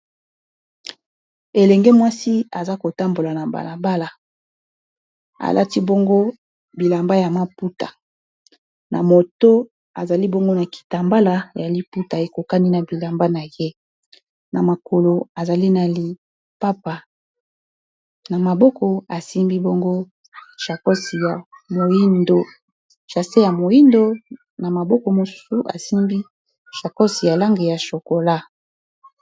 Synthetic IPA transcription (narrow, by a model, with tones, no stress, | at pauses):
e˨lɛ˨ŋɡɛ˦mwa˦si˦a˨za˦ko˨ta˦mbo˨la˨na˨ba̰˨la˨ba˦la˨ | a̰˨lʔa˦ti˦bo˦ŋɡo˦ | bi˨la˨mba˦ja˨ma˦pu˦ta̰˨ | nʔa̰˨mo˨to˦ | a˨za˨li˦bo˦ŋɡo˦na˨ki̥˨ta˨mba˦la˦ja˨li˦pu˦ta˨e˨ko˨ka˦ni˦na˨bi˨la˨mba˦na˨je˦ | na˨ma˨ko˨lo˨a˨za˨li˦na˨li˨ | pa˦pa˨ | na˨ma˨bɔ˦kɔ˨a˨si˦mbi˦bo˦ŋɡo˦ | ʃa˨kɔ˦si˨ja˨mo˨ji˦ndo˨ | ʃa˨se˦ja˨mo˨i˦ndo˦ | na˨ma˨bɔ˦kɔ˨mo˨su̥˦su˨ʔa̰˨si˦mbi˦ | ʃa˨kɔ˦si˨ja˨la˦ŋɡe˨ja˨ʃo˨ko˨la˦